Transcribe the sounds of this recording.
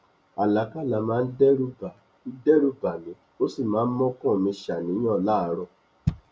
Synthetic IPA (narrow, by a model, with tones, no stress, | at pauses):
a˨la˨˦ka˦˨la˨mãː˨˦n̩˦dɛ˦ɾu˦ba˨ | i˦dɛ˦ɾu˦ba˨mĩ˨˦ | o˦si˦˨mãː˨˦n̩˦mɔ̃˦kɔ̃˦˨mĩ˧ʃa˨nĩ˨˦ã˦˨la˦˨˦ɾɔ˧